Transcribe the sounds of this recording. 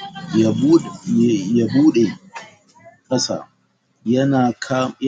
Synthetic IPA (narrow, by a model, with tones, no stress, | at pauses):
ja˨buː˦ɗe˨ | kʼɐ˦sa̰ː˨ | jɐ˦naː˨kʰa˦